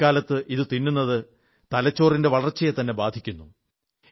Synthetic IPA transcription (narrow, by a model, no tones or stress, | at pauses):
aːlɐt̪ːɨʔiðɨt̪inːunːɐðɨ | t̪ɐlɐt͡ɕːo̞ːrinde̞ʋɐɭɐrt͡ɕːɐjet̪ɐnːe̞baːd̪ʱikʲːunːu